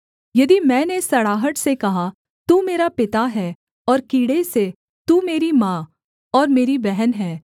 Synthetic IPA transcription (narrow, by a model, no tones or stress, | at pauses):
jɐd̪imɛ̃ːnesɐɽaːɦəʈsekɐɦa | t̪uːmeːɾapɪt̪aɦɛː | ɔːɾkiːɽese | t̪uːmeːɾimãː | ɔːɾmeːɾibɛɦənɦɛː